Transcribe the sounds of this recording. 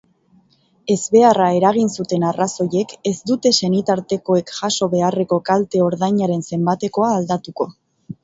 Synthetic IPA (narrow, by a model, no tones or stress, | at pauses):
e̞zβe̞arae̞ɾaɣ̞insut̪e̞naraso̞je̞ke̞zd̪ut̪e̞se̞nit̪aɾt̪e̞ko̞e̞kʝaso̞βe̞are̞ko̞kalt̪e̞o̞ɾðajɲaɾe̞nse̞mbat̪e̞ko̞aːld̪at̪uko̞